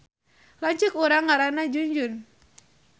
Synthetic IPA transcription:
laɲt͡ʃukuɾaŋːaɾanad͡ʒuɲd͡ʒʊn

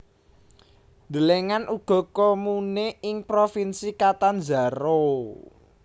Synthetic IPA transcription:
nd̪əleŋanʔuɡ̥ɔ̤komuneɪŋpɾofinsikat̪and͡ʒa̤ɾo

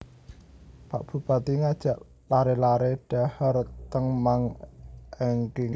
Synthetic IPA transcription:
pa̰ʔb̥ṳba̤t̪iŋad̥ʒ̥a̤ʔ | laɾelaɾeɖ̥ahərt̪əŋmaŋʔɛŋkɪ

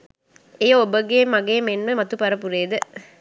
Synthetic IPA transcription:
ejɐobəɡemɐɡeːmenʋəmɐt̪upɐɾəpuɾeːd̪ə

